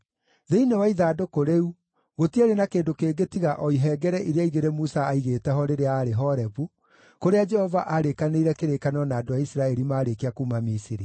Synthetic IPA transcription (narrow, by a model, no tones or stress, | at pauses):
ðeinewaiðaːdokoɾeu | ɣotiaɾenakeːndokeːɡetiɣaʔɔiɦɛːɡɛɾɛʔiɾeaiɣeɾemusaːiɣeːtɛɦɔɾeɾeaːɾeɦɔɾɛvu | koɾead͡ʒɛhɔvaʔaɾekaneiɾɛkeɾekanɔnaːdoaisɾaɛɾimaːɾekeakuːmamisiɾi